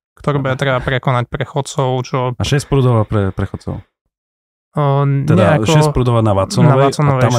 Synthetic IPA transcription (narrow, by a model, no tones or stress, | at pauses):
kt̪ɔɾibɛt̪ɾɛbapɾɛkɔnac̚pɾɛxɔt̪t͡sɔʊt͡ʃɔaʃɛspɾud̪ɔʋapɾɛpɾɛxɔt͡sɔ̰ʊ | ɲɛd̪aɛaʃɔɛspɾud̪ɔʋanaʋat͡sɔnaɛat͡sɔnɔʋɛam